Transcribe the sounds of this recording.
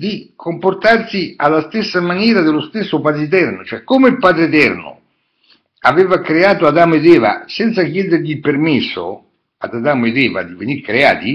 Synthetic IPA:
d̪ikʰomport̪arsialːast̪esːamanjɛːɾad̪elost̪esːopad̪ɾet̪ɛrnot͡ʃoɛkːomeilpaːd̪ɾeet̪ɛrnʊ̰ | avɛːvakɾeaːt̪oad̪aːmoed̪ɛːva̰sɛnt̪sakjɛːd̪eɾʎipermesːo̰ | ad̪ad̪aːmoed̪ɛːva̰d̪ivenirkɾea̰ːt̪i

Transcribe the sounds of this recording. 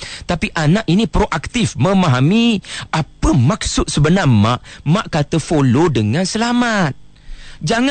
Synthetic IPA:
t̪apiʔanaʔinĩpɾoʔak̚t̪ifmə̃maɦamiʔapəmak̚sʊt̪̚səbənarmaʔmaʔkat̪əfolodəŋãnsəlamat̪̚ | d͡ʒaŋa

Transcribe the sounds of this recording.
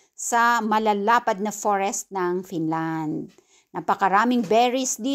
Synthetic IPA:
sɐmɐlalaːpɐd̪̚nɐfoɹɛst̪̚nɐŋfinland̪̚ | nɐpɐkɐɾaːmɪŋbɛɹɪsd̪i

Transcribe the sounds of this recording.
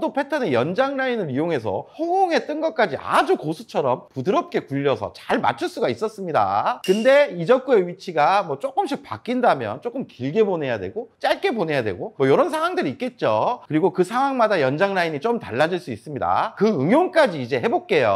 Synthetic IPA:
dopʰe̞tʰʌnejʌnd͡ʑaŋnainɯɾijoŋɦe̞s̬ʰʌ̰hoɡoŋe̞t͈ɯnɡʌk͈ad͡ʑiʔa̰d͡ʑukosʰu̥t͡ɕʰʌɾʌmpudɯɾʌp̚k͈e̞kuʎːʌsʰʌ̰t͡ɕaɭma̰t͡ɕʰuɭs͈uɡais͈ʌs͈ɯmɲida̰kɯnde̞id͡ʑʌk͈ue̞ɥit͡ɕʰiɡamwʌt͡ɕ͈ok͈ɯmɕ̬͈ʰik̚p͈a̰k͈indamjʌ̰nt͡ɕ͈ok͈ɯmkiɭɡe̞bone̞jadwe̞̰ɡot͡ɕ͈aɭk͈e̞bone̞jadwe̞̰ɡomwʌjoɾʌns̬ʰaŋwaŋdɯɾiːt̚k͈e̞t̚t͡ɕ͈okɯɾiɡokɯsʰaŋwaŋmadajʌnd͡ʑaŋnaiɲit͡ɕ͈omta̰ɭːad͡ʑiɭs͈uis͈ɯmɲida̰kɯɯŋjoŋk͈ad͡ʑiːd͡ʑe̞ɦe̞bok̚k͈e̞jo̰

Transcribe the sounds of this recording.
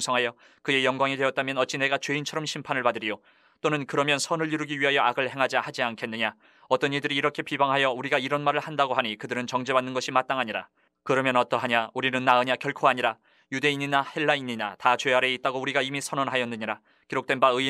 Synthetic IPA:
sʰʌŋɦajʌ | kɯe̞jʌŋɡwaŋidwe̞ʌt̚t͈amjʌnʌt̚t͡ɕ͈ine̞ɡat͡ɕwe̞int͡ɕʰʌɾʌmɕʰimpʰanɯɭpadɯɾio | t͈onɯnkɯɾʌmjʌnsʰʌnɯɭiɾɯɡiɥiɦajʌaɡɯɭhe̞ŋɦad͡ʑihad͡ʑiankʰe̞nːɯɲa | ʌt͈ʌniɭdɯɾiːɾʌkʰe̞pibaŋɦajʌuɾiɡaiɾʌnmaɾɯɭhandaɡoɦaɲikɯdɯɾɯnt͡ɕʌŋd͡ʑebanːɯnɡʌɕʰimat̚t͈aŋɦaɲiɾa̰ | kɯɾʌmjʌnʌt͈ʌɦaɲauɾinɯnːaɯɲakjʌɭkʰoaɲiɾa | jude̞iɲinahe̞ɭːaiɲinatat͡ɕweaɾe̞it̚t͈aɡouɾiɡaimisʰʌnʌnɦajʌnːɯɲiɾa | kiɾok̚t͈e̞nbaɯ

